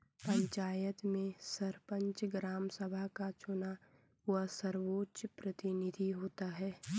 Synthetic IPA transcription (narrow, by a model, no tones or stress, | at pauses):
pə̃ɲt͡ʃaːjət̪mẽsəɾpə̃ɲt͡ʃɡɾaːmsəbʱakat͡ʃʊna | asəɾʋoːtːʃpɾət̪ɪnɪd̪ʱiɦoːt̪aɦɛː